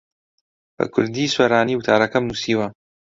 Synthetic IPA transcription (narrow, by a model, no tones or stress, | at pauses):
b̥ɐ̰kʰʊɾd̪iːswɐɾaːniːwʊt̪ʰaːɾɐkɐmnuːsiːwɐ